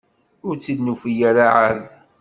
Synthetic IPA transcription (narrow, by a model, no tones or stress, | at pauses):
ʊɾt͡sːid̪nufijaɾaʕað